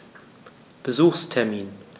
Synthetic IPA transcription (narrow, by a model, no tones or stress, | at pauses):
b̥əzuːxstʰɛɐmiːn